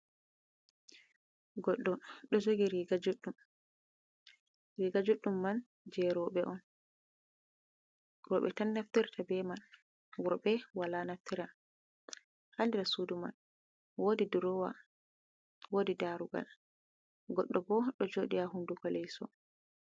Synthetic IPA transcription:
ɡɔɗɔɗɔd͡ʒoɡiɾiɡad͡ʒuɗːum | ɾiːɡad͡ʒuɗːumːan | d͡ʒɛɾɔɓɛʔɔn | ɾɔːɓɛ̰tanːaft̪iɾtʰabɛman | wɔɾbɛwalanaftiɾa | handiɾasuːduma̰n | wodiduɾɔwa̰ | woːdidaɾuɡa̰l | ɡɔɗːɔbɔɗɔd͡ʒoɗiaɦundukɔlɛjsɔ̰

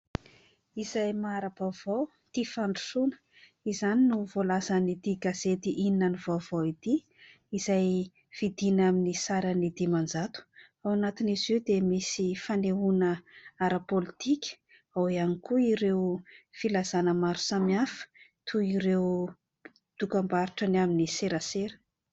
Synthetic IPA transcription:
izajmaɾabavow | t̪ifaɳɖ͡ʐu̥sunə̥ | izaninuvolazənid̪iɡaz̥et̪iʔininənivavoit̪i | izaj | v̥id̪inaminisaɾanid̪imand͡zat̪u̥ | awanat̪inizewd̪emisifaneunəaɾapolit̪ʰikʲə̥ | awianikuiɾewfilazanəmaɾu̥samiafə̥t̪ʰuiɾew | d̪̥ukambaɾiʈ͡ʂanaminiseɾaseɾə̥

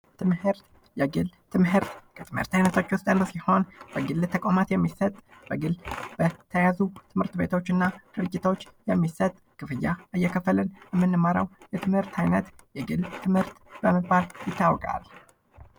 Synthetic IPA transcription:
t̪ʰɨmhɨɾt̪ | jɛɡɨlt̪ʰɨmɦɨɾt̪kʰət̪ʰɨmhɨɾt̪ajnət̪ʰo̞t͡ʃːwʊst̪ʼɨnəsiho̞nb̥əɡɨlt̪ʰəkʼamat̪jɛmːisət̪ʼb̥əɡɨlb̥ət̪ʰəjazut̪ʰɨmhɨɾt̪be̞t̪ʰo̞t͡ʃːɨnːad̪̥ɨɾɨd͡ʒːɪt̪ʰo̞t͡ʃːjɛmːisət̪ʼkʰɨfɨjːaʔɨjːɛkʰəfːəlɨnjɛmːɨnːɨməɾə̰wjɛt̪ʰɨmhɨɾt̪ʰajnət̪jɛɡɨlt̪ʰɨmhɨɾt̪bəməbaljɪt̪ːawɔkʼa̰l

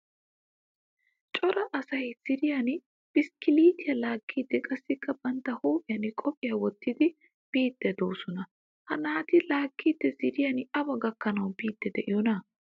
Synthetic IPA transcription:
t͡ʃʼɔɾɐʔɐsɐjz̥ɪɾɪjɐn | b̥ɪskɪliːt̪ɪjɐlaːkːiːd̪ːɛkʼɐsːɪkːɐbɐnt̪ːɐhoːpʼɪjɐnkʼɔpʼɪjɐwɔt̪ːɪd̪ɪ | b̥iːd̪̥ːɛd̪o̞ːsɔnɐ | hɐnaːt̪ɪlaːkːiːd̪ːɛzɪɾɪjɐnɐbɐɡɐkːɐnɐwbiːd̪ːɛd̪ɛʔɪjɔnɐ

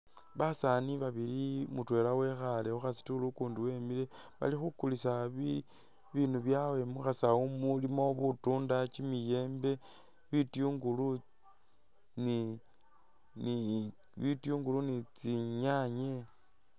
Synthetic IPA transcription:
βasaniβaβilimutwe̞ːlawe̞xaleuxasi̥tulukuːnduwe̞mile̞βa̰lixukulisaβi | βinuβjawe̞muxasaumulimo̞βutuːndat͡ʃimije̞ːmbe̞ | βitjuŋɡulu | ni | ni | βitjuŋɡulunit͡siɲaɲe

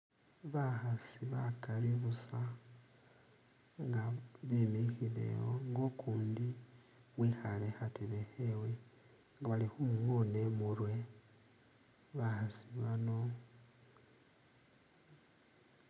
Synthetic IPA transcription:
βaxasiβakaɾiβusa | ŋɡaβimixile̞̰woŋɡo̞kuːndi | βwixalexateβexewe̞ | ŋɡaβalixumuŋonemuɾwe̞ | βaxasiβano̞

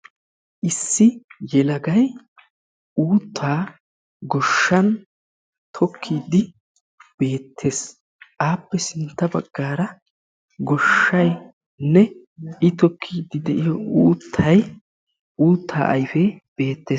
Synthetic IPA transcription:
ʔɪsːɪjɛlɐɡɐj | uːt̪ʰːaː | ɡɔʃːɐn | t̪ʰɔkʰːiːd̪ɪ | b̥e̞ːt̪ʰːe̞ːs | ʔaːpːɛsɪnt̪ːɐbɐɡːaːɾɐ | ɡɔʃːɐj | nɛ | ʔɪt̪ɔkʰːiːd̪ːɪd̪ɛʔɪjɔuːt̪ʰːɐj | ʔuːt̪ʰːa̰ːʔɐjfɛb̥e̞ːt̪ːe̞ːs

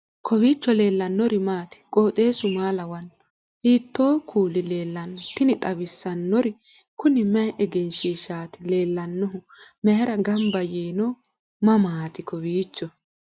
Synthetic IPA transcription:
kʰɔbiːt͡ʃːɔle̞ːlːɐnːɔɾɪmaːt̪ɪ̥kʼoːt̪ʼe̞ːsʊmaːlɐwɐn | ʔiːt̪ːoːkʰuːlɪle̞ːlːɐnɔt̪ɪnɪt̪ʼɐbɪsːɐnːɔɾɪ | kʊnɪmjʔɛɡɛnʃiːʃaːt̪ɪle̞ːlːɐnːɔɦʊmɛhɛɾɐɡɐmbɐjeːnɔ | mɐmaːt̪ɪkɔbiːt͡ʃːɔ

